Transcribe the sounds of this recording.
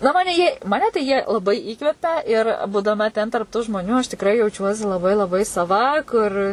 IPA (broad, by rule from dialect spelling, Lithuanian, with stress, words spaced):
nɐ ˈmɑːnʲɛ jiɛ mɐˈnʲɛ tɐɪ ˈjiɛ lˠɐˈbɐɪ ˈiːkʋʲɛpʲɛ ɪr buːdɐˈmɐ tʲɛn tɐrp ˈtuː ʒmoːˈnʲuː ɐʃ tʲɪkˈrɐɪ jɛʊˈt͡ʃʲuɔsʲɪ lˠɐˈbɐɪ lˠɐˈbɐɪ sɐˈʋɐ ˈkʊr